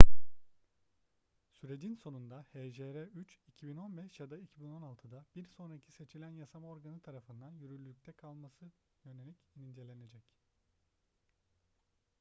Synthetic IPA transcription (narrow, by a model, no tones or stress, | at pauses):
syɾe̞d͡ʒinso̞nund̪aheʒeɾɛyt͡ʃicʰibino̞nbɛʃjad̪aicʰibino̞nalˠt̪ʰɯd̪abiɾso̞nɾacʰi̥se̞t͡ʃʰilʲænjasamao̞ɾɡanɯt̪ʰaɾafɯnd̪anjyɾylʲylʲyc̚ʲt̪ʰɛkʰalˠmasɯ | jø̞ne̞lʲicinind͡ʒe̞lʲe̞ned͡ʒɛc